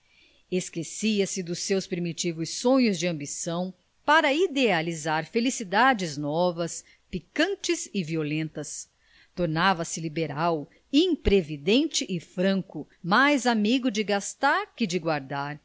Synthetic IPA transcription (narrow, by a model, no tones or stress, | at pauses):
eskesiɐsɪd̪ʊsːewspɾimit͡ʃivʊsːõɲʊzd͡ʒɪɐ̃mbisɐ̃w̃ | paɾɐid̪ealizaɾfelisid̪ad͡ʒɪznɔvɐs | pikɐ̃nt͡ʃɪzɪviolẽnt̪ɐs | t̪oɾnavɐsɪlibeɾaw | ĩpɾevid̪ẽnt͡ʃɪʔɪfɾɐ̃ŋkʊ | majzamiɡʊd͡ʒɪɡast̪aɾkɪd͡ʒɪɡwaɾd̪aɾ